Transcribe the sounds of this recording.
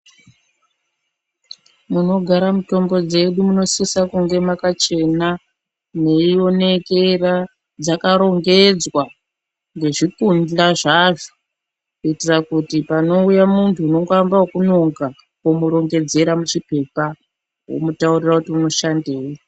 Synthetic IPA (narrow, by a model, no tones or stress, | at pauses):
muno̞ɡʱaɾamuto̞mbo̞d͡ze̞ɗumuno̞sisakuŋɡe̞makat͡ʃe̞na | ne̞io̞ne̞kera | d͡zakaɾo̞ŋɡe̞d͡zwa | ŋɡe̞ʐikundlaʐaʐo | kuitirakutipano̞ujamuntʰuːno̞ŋɡambaokunoŋɡa | komuɾo̞ŋɡe̞d͡ze̞ɾamut͡ʃipe̞pa | wo̰mutaurirakutiuno̞ʃandeːo